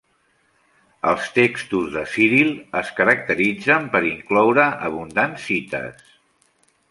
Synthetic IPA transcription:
əlˠst̪ekst̪uzðəsiɾilˠəskəɾək̚t̪əɾid͡zəmpəɾiŋklɔwɾəʔəβund̪ansit̪ə̰s

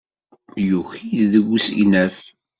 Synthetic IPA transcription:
juçijðəɡʷːusḭnæf

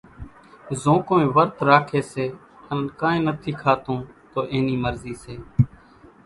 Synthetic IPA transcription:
zõːkõːẽːʋəɾt̪ɾaːkʰeːseː | ənkãːẽːnət̪ʰiːkʰaːt̪õːt̪oːʔeːniːməɾziːseː

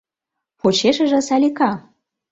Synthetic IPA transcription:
xot͡ɕeʃə̆ʒə̆sælʲikɑ

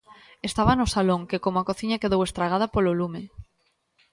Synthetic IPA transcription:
est̪aβɐnʊsaloŋkekomʊakoθiɲɐkeðowest̪ɾaɣ̞að̞ɐpololume

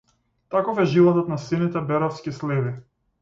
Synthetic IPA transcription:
t̪akɔfɛʒilˠɔt̪ɔt̪nasɛnit̪ɛbɛɾɔfskʲislɛvi

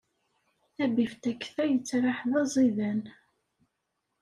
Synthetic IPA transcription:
æbift̪ækːθæjət͡sːɾˤaħðɑzˤiðæn

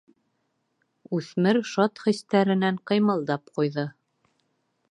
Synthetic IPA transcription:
ʉθmɘɾʃɑt̪χĭst̪æɾɘ̆næɴqɤ̆jmɤ̆lˠd̪ɑp̚qujðɤ

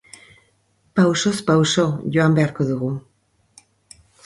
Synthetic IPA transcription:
pawsospawʃo̞ʝo̞ambe̞aɾko̞ðuɣu

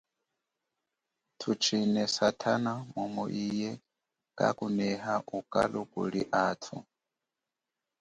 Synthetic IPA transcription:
tʰut͡ʃʰinɛsatʰanamumɔʔijɛ | kʼa̰kunɛɦaʔukʼa̰lukʼṵliʔatʰṵ

